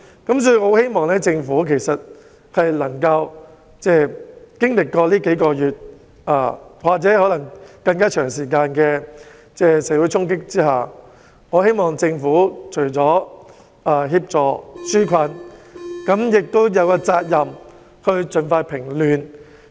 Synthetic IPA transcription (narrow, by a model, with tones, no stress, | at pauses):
kɐ˨˥ms̬ɔː˧jy˧ho˨˥whe˥jmɔː˨ŋlɛː˥t͡sɪ˧ŋfuː˨˥kʰe˨˩jsɐ˨t̚ | hɐ˨jlɐ˨˩ŋkɐ˧w | t͡sɛː˥˩kɪ˥ŋlɪ˨kːɔː˧liː˥ke˨˥jkɔː˧jyː˨˩t̚ | ʔaː˨˩waː˨k̚t͡sɛː˨˥hɔː˨˥lɐ˨˩ŋkɐ˧ŋkaː˥t͡ʃʰœː˨˩ŋsiː˨˩kaː˧nkɛː˧ | t͡sɛː˥˩sɛː˨˥wu˨˥jt͡sʰʊ˥ŋkɪ˥k̚t͡siː˥haː˨˩ | ŋɔ˨˧˥he˥jmɔː˨ŋt͡sɪ˧ŋfuː˨˥t͡ʃʰɵ˨˩ɥt͡sɔː˨˥ | ʔaː˧ɦiː˧p̚t͡sɔː˨˩syː˥kʰɐ˧nkɐ˨˥mjɪ˨k̚t̪o˥wjɐ˨˧wkaː˧t͡saː˧t̚jɐ˨m | hɵ˧ɥt͡sɵ˨nfaː˧jpʰɪ˨˩ŋlyː˨n